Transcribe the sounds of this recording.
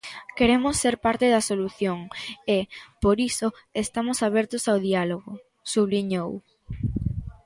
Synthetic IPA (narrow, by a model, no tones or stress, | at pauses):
keɾemʊsːeɾpaɾt̪eðɐsoluθjoŋepoɾisoest̪amʊsaβɛɾt̪ʊsawðialoɣʊ | suβliɲow